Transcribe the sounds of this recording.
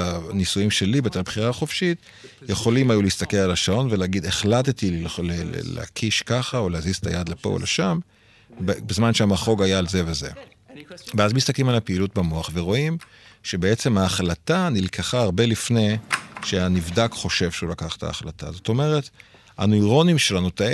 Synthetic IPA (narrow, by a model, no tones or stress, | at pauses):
anisujimʃe̞libet̪elbχiʁaχo̞fʃit | jeχo̞limajuleiist̪akelalaʃao̞nveleaɡid̪eχlat̬etilel̰la̰kʰiʃkaχaoleazizet̪ʰa̰jad̪lepo̞̰o̰lʔeʃam | bbezmanʃeamaχo̞ɡajaːlze̞veze̞ | veazmist̪aklimalapeilut̚bamoaχve̞ʁo̞im | ʃe̞beet͡se̞maːχlatanilkʰaχaːʁbe̞lifne̞ʃeanivdakχo̞ʃe̞vʃeulakaχtʰa̰ːχlata̰zo̞t̪o̞me̞ʁet | a̰noiʁo̞nimʃelanuta